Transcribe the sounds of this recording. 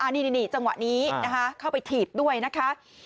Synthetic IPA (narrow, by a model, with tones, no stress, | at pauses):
ʔa˧˩niː˥˩ni˧niː˧˩t͡ɕa˧ŋwa̰˨˩ʔniː˦˥na˦˥kʰa˦˥kʰa˥˩wpa˧jt̪ʰiː˨˩p̚du˥˩əjna˦˥kʰa˦˥